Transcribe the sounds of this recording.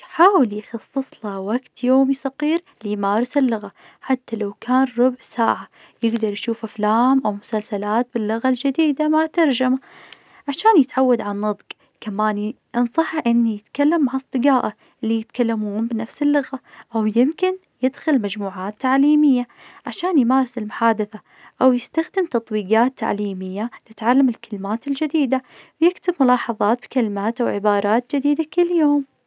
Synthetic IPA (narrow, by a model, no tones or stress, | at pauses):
jħaːwɪljxɑsˤːɨsˤlɑwaɡt̪joːmisɑqiːɾ | lɪjmaːɾˤɪsɪlːʊɣa | ħat̪ːalawkʰaːnɾˤʊbʕsa̰ːʕa | jɪɡd̪ɑɾˤjʃuːfʔaflaːmʔawmʊsalsalaːt̪̚bɪlːʊɣald͡ʒɪd̪iːd̪amat̪ɑɾˤd͡ʒama | ʕaʃaːnjɪt̪ʕawːad̪ʕanːɨd̪ˤq | kamaːn | ʔɑnsˤɑħʔɪnːijɪt̪kalːamːaʕɑsˤt̪ˤɨɡaːʔa | ɪlːijɪt̪kalːamuːnbɪnafsɪlːʊɣaʔawjɪmkɪn | jɪd̪xʊlmad͡ʒmuːʕaːt̪ːaʕliːmɪjːa | ʕaʃaːnjmaːɾˤɑsɪlmʊħaːd̪ɪθa | ʔawjɪst̪axd̪ɪmt̪ɑt̪ˤwiːɡɑːt̪ʰːa̰ʕliːmɪjːat̪ɪt̪ʕalːamɪlkalɪmaːt̪ɪld͡ʒɪd̪iːd̪awjɪkt̪ɪbmʊlɑːħɑðˤɑːt̪̚bkalɪmaːt̪ʔawʕɪbɑːɾˤɑːt̪̚d͡ʒɪd̪iːd̪akɪlːjoːm